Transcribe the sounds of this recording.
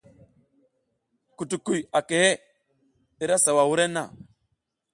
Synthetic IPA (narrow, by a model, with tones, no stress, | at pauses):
ku˨tu˨ku˨ja˨ke˨he˦ | e˨ɾa˦sa˨wa˨wu˦ɾe˦nːa̰˨